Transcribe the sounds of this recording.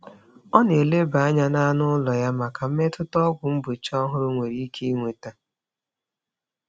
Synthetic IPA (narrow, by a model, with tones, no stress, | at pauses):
ɔ˦ne˨le˦ba˨a˦ɲa˦na˦nʊ˦lɔ˨ja˦ma˨ka˨m̩˦me˦tʊ˦tɔ˦ɡʷʊ˨m̩˦bʊ˨t͡ʃɔ˦ɦʊ˦ɾʊ˦ŋʷe˨ɾi˦kʰe˦i˦ŋʷe˨ta˦